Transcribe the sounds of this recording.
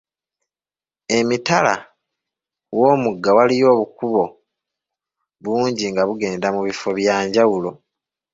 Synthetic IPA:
e̞mitala̰ | wo̞ːmuɡːawalijo̞ːβukuβo̞ | βuːɲɟiŋɡaβuɡe̞ːndamuβifo̞βjaːɲɟawulo̞

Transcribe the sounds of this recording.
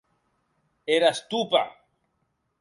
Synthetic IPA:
eɾast̪upa̰

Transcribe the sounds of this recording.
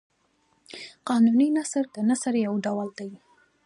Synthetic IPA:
qɑnuninasəɾd̪ənasaɾjawɖawald̪aji

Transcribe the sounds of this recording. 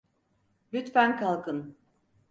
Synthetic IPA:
lʲyt̪fænkʰalˠkʰɯn

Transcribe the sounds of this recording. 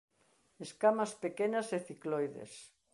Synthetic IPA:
eskamɐspekenɐseθiklojðḛs

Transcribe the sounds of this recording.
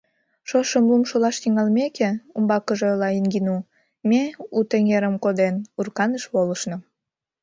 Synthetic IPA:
ʃoʃəmlumʃolɑʃt̪iŋɑlmekeumbɑkəʒelɑinɡinu | meut̪eŋeɾəmkod̪enurkɑnəʃβoləʃno

